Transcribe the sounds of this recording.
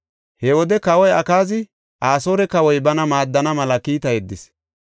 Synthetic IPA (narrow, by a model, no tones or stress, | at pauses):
hɛwɔd̪ɛkɐwɔjɐkaːzɪ | ʔaːsoːɾɛkɐwɔjbɐnɐmaːd̪ːɐnɐmɐlɐkiːt̪ɐjɛd̪ːɪs